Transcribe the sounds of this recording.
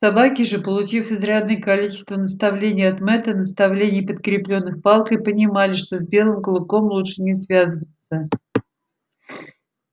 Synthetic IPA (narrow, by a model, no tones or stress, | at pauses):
sɐbakʲɪʐɨpəlˠʊt͡ɕifɪzɾʲad̪nɨjəkɐlʲit͡ɕɪst̪vənəst̪ɐvlʲenʲɪjɐt̪mɛt̪ənəst̪ɐvlʲenʲɪjpət̪̚kɾʲɪplʲo̞nːɨxpɑlˠkɪpənʲɪmalʲɪʂt̪o̞zbʲe̞lˠɨmkəlˠɨko̞mlˠutʂɨnʲɪsvʲazɨvət̪sə